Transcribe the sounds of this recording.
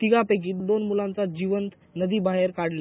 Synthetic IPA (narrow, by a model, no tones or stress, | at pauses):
t̪iɡapek̬iːt̪d̪onmulãnt͡sad͡ʑiʋənt̪ | nəd̪iːbaɦeɾkaɽle